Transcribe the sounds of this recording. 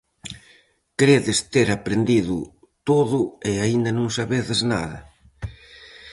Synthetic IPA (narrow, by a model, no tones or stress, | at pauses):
kɾeðɪst̪eɾapɾend̪iðʊ | t̪oðʊɪaind̪ɐnõŋsaβeðɪzna̰ðɐ̰